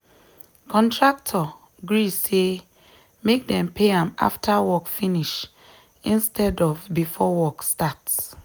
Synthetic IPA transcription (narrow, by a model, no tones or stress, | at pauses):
kʰɔ̃ntʰɹak̚tʰɔ | ɡɹise | mek̚dɛ̃mpʰeãma̰ftʰawɔkfiniʃ | ĩnstʰɛdɔvbifɔwɔkstats